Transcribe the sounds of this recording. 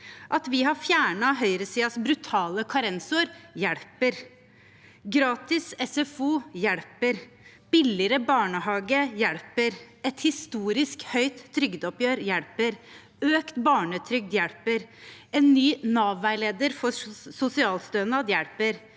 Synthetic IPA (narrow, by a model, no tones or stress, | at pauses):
ʔɑt̪ʋɪhɑfjæːɳɑɦœʏɾəsiːɑsbɾʉt̪ʰɑːləkʰɑɾɛnsʊɾjɛɽpəɾ | ɡɾɑːt̪ɪsɛsɛfuːjɛɽpəɾ | b̥ɪlɪɾəbɑːɳəɦɑːɡəjɛɽpəɾ | ɛt̪hɪst̪uːɾɪskhœʏt̪ʰːɾʏɡd̪ɔpjøːɾjɛɽpəɾ | øːkt̪bɑːɳət̪ʰɾʏɡ̚d̪jɛɽpəɾɛnːyːnɑːʋʋæɪleːd̪əɾfɔsʊsɪɑːlst̪øːnɑd̪jɛɽpəɾ